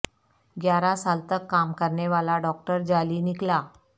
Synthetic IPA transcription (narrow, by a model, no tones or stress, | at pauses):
ɡjaɾasalt̪əkːamkəɾɳeʋalaɖɔk̚ʈəɾd͡ʑaliːnikla